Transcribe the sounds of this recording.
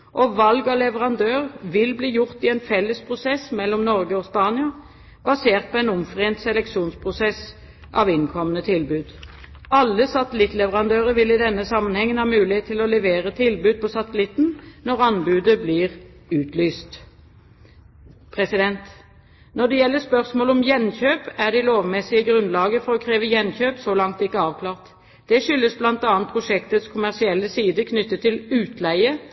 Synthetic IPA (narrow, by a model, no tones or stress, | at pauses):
ʔɔʋɑlɡɔlɛʋəʁɑnd̪øːʁʋɪlbliːjʊʁt̪ɪɛnfɛlːəspʰʁʊsɛsmɛlːɔmnɔʁɡəɔspɑːnɪɑ | b̥ɑseːʁt̪̚pʰɔɛnʊmfʁeːnt̪sɛlɛkʃuːnspʰʁʊsɛs | ʔɑʋɪnkʰɔmənət̪ʰɪlbʉːd̪ | ɑlːəsɑt̪əlɪt̪lɛʋəʁɑnd̪øːʁəɾʋɪlɪd̪ɛnːəsɑmːənhɛŋːənhɑːmʉːlɪheːt̪ʰːɪlɔlɛʋeːʁət̪ʰɪlbʉːd̪̚pʰɔsɑt̪əlɪt̪nnɔʁɑnbʉːd̪əblɪːʁʉːt̪ʰlyːst̪ | pʰʁɛsɪd̪ɛnt̪ | nɔd̪ɛjɛlːəspœʁsmoːlɔmjɛnçøːpæʁd̪ɪloːʋmɛsɪəɡʁʉnlɑːɡəfɔʁɔkʰʁeːʋəjɛnçøːpsɔlɑŋt̪ɪkːəɑːʋkʰlɑːʁt̪ | d̪̥ɛʂʏlːəsblɑnt̪ɑːnt̪̚pʰʁʊʂɛkt̪ət̪skʰʊmæʁsɪɛlːəsiːd̪əkʰnʏt̪ːət̪ʰːɪlʉːt̪læɪə